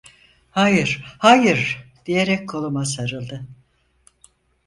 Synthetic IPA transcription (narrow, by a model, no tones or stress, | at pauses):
hajɯɾ̥hajɯɾd̪̥ijeɾɛc̚kʰolˠumasaɾɯlˠd̪ɯ